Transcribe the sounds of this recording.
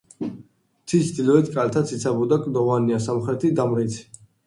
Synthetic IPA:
t̪ʰit͡ʃd̪ilɔɛt̪ʰkʼalt̪ʰat̪sʰit̪sʰabɔd̪akʼd̪ɔvaniasamχɾɛt̪ʰid̪amɾit̪sʰ

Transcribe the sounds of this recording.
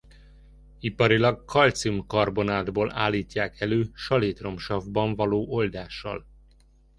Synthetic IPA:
ipɒɾilɒɡkʰɒlt̪siumkɒrbo̞naːd̪boːla̰ːlːiːcːaːkʰɛløːʃɒleːt̪ro̞mʃɒvbɒɱvɒloːʔo̞ld̪aːʃːɒ̰l

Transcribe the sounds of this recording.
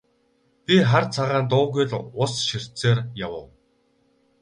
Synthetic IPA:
pʲiχart͡sʰaʁaːnt̪̬ʊːɣʊjɮʊsʃir̥t͡seːrjawə̰̆w

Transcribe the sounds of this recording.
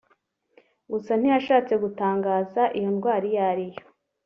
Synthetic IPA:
ɡusan̥ijaʃaːt͡se̞ɡutaːŋɡaːzaʔijo̞nɡwaːɾijaɾijo

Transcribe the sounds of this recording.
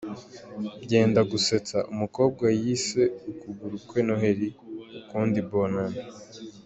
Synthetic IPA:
ɟe̞ːndaɡuse̞t͡saʔumuko̞ːb̚ɡajise̞ukuɡuɾukwenoɦeɾiukuːndibonana

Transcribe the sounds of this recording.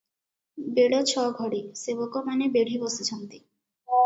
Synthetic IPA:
beɽot͡ɕʰɔɡʱoɽiseβokomanebeɽ̤ibɔset͡ɕʰɔnt̪i

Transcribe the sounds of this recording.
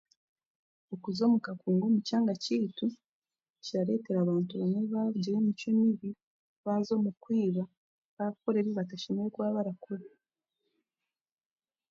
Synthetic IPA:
okuzo̞ːmukakuːŋɡo̞mucaːŋɡaciːtu | ciaɾe̞te̞ɾaβaːntuβaneβaβuɟiɾemit͡ʃemiβi | βazo̞ːmukwiːβa | βakoɾe̞βiβataʃinekwaːβaɾakuɾe

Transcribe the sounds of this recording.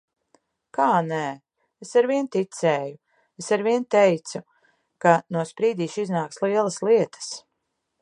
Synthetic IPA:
kaːnæ | esaɾviɛnt̪it̪sɛːju | esaɾviɛnt̪ejt̪su | kanuɔspɾiːd̪iːʃiznaːkslˠiɛlˠɐslˠiɛt̪ʰə̥s

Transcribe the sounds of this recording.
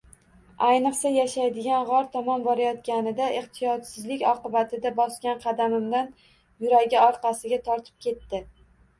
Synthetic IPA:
ajnɨqsajaʃajd̪ɪɡʲanʁɒɾt̪ʰamɒmbɒɾajɒt̪̚ɡʲanɪd̪aʔeχt̪ʰɪjɒt̪sɪzlɪkʲɒqɨbat̪ʰɪd̪abɒskʲanqʰɑd̪amɪmd̪an | jʊɾaɡʲaɒɾqɑsɪɡʲat̪ʰɒɾt̪ʰɪ̥p̚kʲʰe̞t̪ːɪ

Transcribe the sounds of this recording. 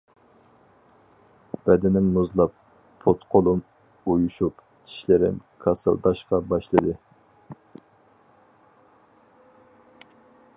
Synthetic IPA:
b̥ɛd̪ɪnɪŋnuzlˠɑp̚ːʰ | ot̪qʰolˠum | ojuʃup | t͡ʃʰi̥ʃlɪɾɪ̰mkʰɑsɨ̰lˠd̪ɑʃqɑbɑʃlˠɨd̪ɨ

